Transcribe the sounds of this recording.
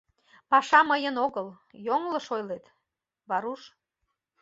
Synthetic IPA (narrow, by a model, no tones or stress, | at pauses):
pɑʃɑməjənoɣəl | joŋləʃojlet̪ | βɑɾuʃ